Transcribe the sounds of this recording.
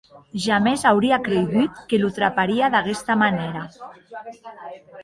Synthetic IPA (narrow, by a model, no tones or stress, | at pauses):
ʒamezawɾiakɾeɣit̪kelut̪ɾa̰paɾiaðaɣɛst̪amaneɾa